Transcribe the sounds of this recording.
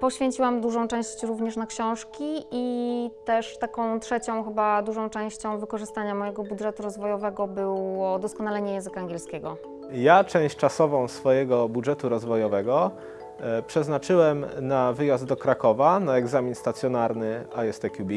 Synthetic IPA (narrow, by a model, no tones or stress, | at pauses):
pɔɕfʲeɲt͡ɕiwamd̪uʐɔ̃w̃t͡ʂɛ̃w̃ɕt͡ɕɾuvɲɛʂnakɕɔ̃w̃ʂkʲiit̪ɛʂt̪akɔ̃w̃tʂɛt͡ɕɔ̃w̃xɘbad̪uʐɔ̃w̃t͡ʂɛ̃w̃ɕt͡ɕɔ̃w̃vɘkɔʐɘst̪aɲamɔjɛɡɔbudʐɛt̪uɾɔzvɔjɔvɛɡɔbɘwɔd̪ɔskɔnalɛɲɛjɛ̃zɘkaaŋɡʲɛlskʲɛɡɔ | jat͡ʂɛ̃w̃ɕt͡ʂasɔvɔ̃w̃sfɔjɛɡɔbudʐɛt̪uɾɔzvɔjɔvɛɡɔ | pʂɛznat͡ʂɘwɛmnavɘjazd̪̚d̪ɔkɾakɔvanaɛɡzamʲinst̪at̪sʲjɔnaɾnɘajɛst̪ɛkʲjubʲi